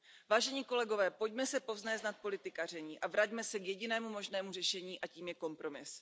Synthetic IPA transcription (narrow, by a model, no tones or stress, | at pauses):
vaːʒɛɲiːko̞lɛɡo̞vɛːpo̞ɟmɛsɛpo̞vznɛːznat̪̚po̞lɪt̪ɪkar̝ɛɲiːʔavɾaɟmɛsɛkjɛɟɪnɛːmumo̞ʒnɛːmurɛʃɛɲiːʔaciːmjɛko̞mpɾo̞mɪs